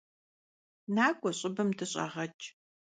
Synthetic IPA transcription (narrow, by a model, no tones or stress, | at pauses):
naːkʷʼɔɕʼɪbɨmdʰɨɕʼɐ̰ʁɐt͡ʃʼ